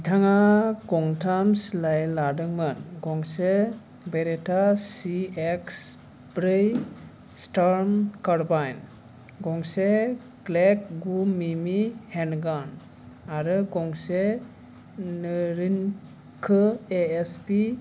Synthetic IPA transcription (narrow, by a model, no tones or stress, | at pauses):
tʰaŋaɡɔŋtʰamslajladɯŋmɯnɡɔŋse | beɾetʰasieks | bɾɯj | staɾmkaɾbajn | ɡɔŋse | klek̚ɡumimihenɡan | aɾɯɡɔŋse | nɯɾin | kʰɯeespi